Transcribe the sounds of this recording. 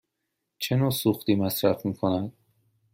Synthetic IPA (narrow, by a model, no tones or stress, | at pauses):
t͡ʃʰe̞noːsuxt̪iːmæsɾæfmiːkʰo̞næd̪̥̚